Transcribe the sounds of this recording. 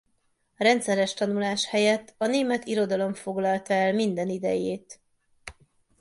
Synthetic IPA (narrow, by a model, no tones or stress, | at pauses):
rɛnt̪sɛɾɛʃt̪ɒnulaːʃhɛjɛt̪ːɒneːmɛt̪iɾo̞d̪ɒlo̞ɱfo̞ɡlɒlt̪ɒɛlmind̪ɛnid̪ɛ̰jeːt̪